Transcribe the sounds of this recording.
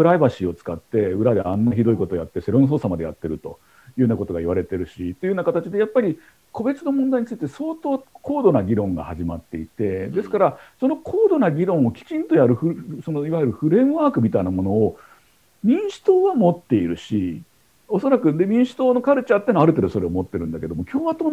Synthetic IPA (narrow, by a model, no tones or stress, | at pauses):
kɯ̟ɾaibaɕio̞t͡sɨ̥kat̪ːe̞ɯ̟ɾad̪e̞anːaçid̪o̞iko̞t̪o̞jat̪ːese̞ɾo̞ñs̬o̞ːsamad̪eja̰t̪ːe̞ɾɯ̟t̪o̞̰ | jɯːɯːnako̞t̪o̞ɡaiβ̞aɾe̞t̪e̞ɾɯ̟ɕit̪ːeiɯːnakat̪at͡ɕid̪e̞japːaɾʲi | kʰo̞be̞t͡sɨno̞mond̪aiɲ̟it͡sɨit̪e̞so̞ːt̪o̞ːkʰo̞ːd̪o̞naɡʲiɾõ̞ŋɡa̰haʑima̰t̪ːe̞it̪e̞d̪e̞sɨ̥kaɾaso̞no̞kʰo̞ːd̪o̞naɡʲiɾõ̞ɰ̃o̞kʲi̥t͡ɕĩnt̪o̞jaɾɯ̟ɸɯso̞no̞iβajeɾɯ̟ɸɯ̟ɾe̞mɯ̟βaːkɯ̟mʲit̪ainamo̞no̞ː | mʲĩɰ̃ɕi̥t̪o̞ːβamo̞t̪ːe̞iɾɯ̟ɕi | o̞so̞ɾakɯ̟d̪e̞mʲĩɰ̃ɕi̥t̪o̞ːno̞kaɾɯ̟t͡ɕaːt̪ːenoaɾɯ̟t̪eɾɯso̞ɾe̞omo̞t̪ːe̞ɾɯ̟̃nd̪ake̞d̪omo̞kʲo̞ːβat̪oːn